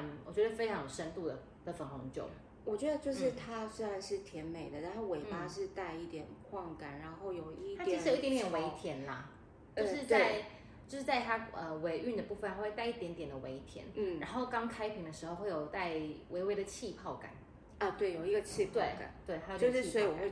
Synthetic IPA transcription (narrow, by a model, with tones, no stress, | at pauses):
mwɔ̰˨˩t͡ɕɥɛ˧˥d̪ə˧fe˥ɪʈ͡ʂʰɑ˧˥ŋjo˨˩ʊʂə˦˥nt̪u˥˩d̪ə˩ | d̪ə˨˦fə˧˥ŋxʊ˧˥ŋt͡ɕjo̰˥˩ʊ | wɔ˨˩t͡ɕɥɛ˧˥d̪ə˧t͡ɕjo˥˧ʊʂɻ̩˥˩t̪ʰa˥swe˥a˧nʂɻ̩˥˩t̪ʰjɛ˧˥nme˨˩ɪd̪ə˦t̪ʰa˥we˧˥ɪpa˥ʂɻ̩˥˧t̪a˥˧ɪi˥˩t̪jɛ˨˩nkʰwɑ˥˩ŋka˨˩˦nɻa˧˥nxo˥˩ʊjo˨˩ʊii˥˩t̪ʰa˥t͡ɕi˧ʂ̩˥jo˨˦i˥jɛ̃˧˦njɛ˨nwe˧˦˧ɪt̪ʰjɛ˨˥˦nlɐ˨ | t͡ɕo˥˧ʊʂɻ̩˥˧t̪a˥˩˥ɪ | t͡ɕjo˥˧ʊʂɻ̩˥˧t͡sa˥˧ɪt̪ʰa˥ə˨we˧˥ɪʔy˥˩nd̪ə˩pu˥˧fə˨nxa˥we˥˧t̪a˥˧ɪi˥˩t̪jɛ˧˥nt̪jɛ˨˩nd̪ə˩we˧˥ɪt̪ʰjɛ̰˧˥n˥˩a˧˦nxo˥˩ʊkɑ˥ŋkʰa˥ɪpʰi˧˥ŋd̪ə˨ʂɻ̩˧xo˥˧ʊxwe˥˩ɪjo˨˩ʊt̪a˥˩ɪwʔe˧˥ɪwe˧˥ɪd̪ə˨t͡ɕʰi˥˧pʰɑ˥˩ʊka̰˨˩˦n | ə˧˩t̪we˥˩ɪjo˨˩ʊi˧˥ɡə˧t͡ɕʰi˥˧t̪we˥˩ɪa̰˩t̪we˥˩ɪt̪ʰa˥jo˨jo˥˧ʊʂɻ̩˥swɔ˧˥i˧˥wɔ˨˩xwe˥˧˩